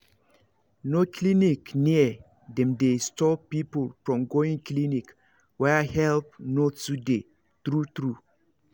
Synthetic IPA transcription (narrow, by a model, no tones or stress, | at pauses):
noklinikniə | dɛ̃mdestɔpːipolfɹɔ̃mɡoĩŋklinik | wɛahɛlp̚notude | tɾut̪ɾu